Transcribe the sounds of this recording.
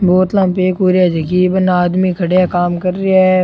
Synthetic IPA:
boːt̪lãːmpeːkuːɾjad͡ʒekibənaːd̪mikʰɐɽejakaːmkɐɾːeaɛ

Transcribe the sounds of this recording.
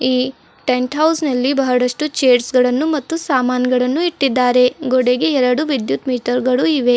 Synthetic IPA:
iː | ʈeɳʈɦɐwsnɐlːibɐɦɐɽɐʂʈut͡ʃeːɾsɡɐɭɐnːumɐt̪ːusaːmaːnɡɐɭɐnːuiʈːid̪ːaːɾe̞ɡɔɽeɡeɛɾɐɽuʋid̪jut̪miːʈɐɾɡɐɭuiʋe̞

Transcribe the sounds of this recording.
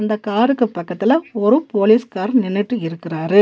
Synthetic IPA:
ɐnd̪ɐkaːɾɯkːɯpːɐkːɐt̪ːɪlɐɔɾɯpoːliːskaːɾnɪnːɛʈːɯɪɾɯkːɪraːɾɯ

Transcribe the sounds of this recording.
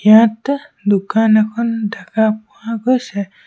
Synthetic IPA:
ijãt̪d̪ukʰanakʰɔndakapuwaɡɔjsɛ

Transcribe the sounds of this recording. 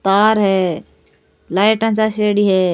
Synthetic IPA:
t̪aːɾɦɛ | laːjʈãt͡ʃaʃeːɽiɦɛː

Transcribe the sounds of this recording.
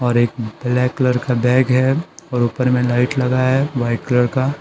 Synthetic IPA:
ɔːɾeːk̚b̥lɛːkːləɾkabɛːɡɦɛɔːɾuːpəɾmẽlaːɪʈlɐɡaɦɛʋaɪʈkləɾka

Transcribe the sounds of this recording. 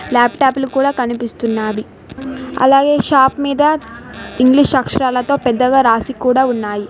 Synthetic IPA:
laːpʈaːplukuːɽaːkɐnipist̪unːaːʋi | ɐ̰laːɡe̞ːʃaːpmiːd̪ɐiŋɡliʂɐkʂɐɾaːlɐt̪o̞ːpɛd̪ːɐɡaːɾaːsikuːɽaːunːaːji

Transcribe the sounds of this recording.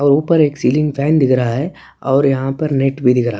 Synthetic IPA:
ɔːɾuːpəɾeːksiːlɪ̃ŋɡpʰɛːnd̪ɪkɾɐɦaɦɛ | ɔːɾjɐɦãpɐɾneʈbʱid̪ɪkɾaɦa

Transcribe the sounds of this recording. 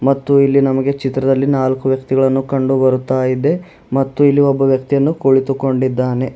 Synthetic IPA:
mɐt̪ːuilːinɐmɐɡe̞t͡ʃit̪ɾɐd̪ɐlːinaːlkuʋjɐkt̪iɡɐɭɐnːukɐɳɖubɐɾut̪ːaːjid̪e̞ | mɐt̪ːuilːiɔbːɐʋjɐk̚t̪ijɐnːukoɭit̪uko̞ɳɖid̪ːaːne̞

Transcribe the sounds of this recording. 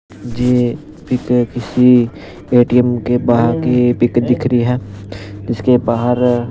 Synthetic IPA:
d͡ʒeː | pɪkkɪsi | eːʈiəmkebaːɦɾkepɪkd̪ɪkʰɾəiɦɛːd͡ʒɪskebaːɦəɾ

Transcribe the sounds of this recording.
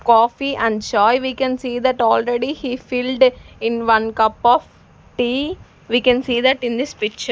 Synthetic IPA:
kɔːfiʔæ̃ɳɖd͡ʒɔːɪʋiːkɛ̃nsiːd̪æʈɔːlɾeɖihiːfɪlɖɪ̃nʋʌ̃nkʌpɔʋ | ʈiː | ʋiːkɛ̃nsiːd̪æʈɪ̃nd̪ɪspɪkt͡ʃə

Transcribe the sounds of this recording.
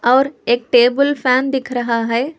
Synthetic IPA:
ɔːɾeːk̚ʈeːbəlpʰɛːnd̪ɪkʰɾɐɦaɦɛː

